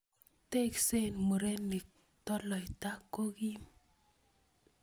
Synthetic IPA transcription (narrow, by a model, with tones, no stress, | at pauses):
te˦kse˦˨nmo˨ɾe˦ni˨k̚ | tɔ˦lɔ˨i˨ta˦kːo˦ɡi˦m